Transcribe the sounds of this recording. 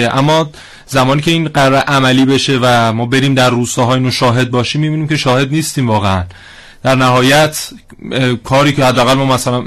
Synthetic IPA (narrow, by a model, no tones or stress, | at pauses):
eʔæmːɒː | zæmɒːniːcʰe̞iːnɢæɾɾeʔæmæliːbe̞ʃe̞væmɒːbe̞ɾiːmd̪æɾruːst̪ɒːɦɒːiːnoʃɒːɦe̞d̪̚bɒːʃiːmːiːbiːniːmcʰe̞ʃɒːhe̞d̪niːst̪iːmvɒːɣeæn | d̪̥æɾnæɦɒːjæt̪ʰ | kʰɒːɾiːcehæd̪ːeæɣælmɒːmæsælæn